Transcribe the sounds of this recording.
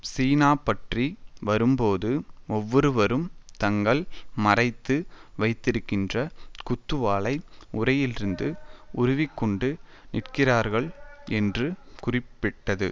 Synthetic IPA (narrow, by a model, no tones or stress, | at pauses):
siːnaːpɐʈriʋɐɾɯmpoːðɯɔʋːɔɾɯʋɐɾɯmt̪ɐŋɡɐɭmɐrɐɪt̪ːɯʋɐɪt̪ːɪɾɯkːɪndrɐkʊt̪ːɯʋaːɭɐɪʊrɐjɪlɪɾɯnd̪ɯʔʊɾʊʋɪkːɔɳɖɯ | nɪʈkɪraːɾɣɐɭɛndrɯkʊrɪpːɪʈːɐðɯ̰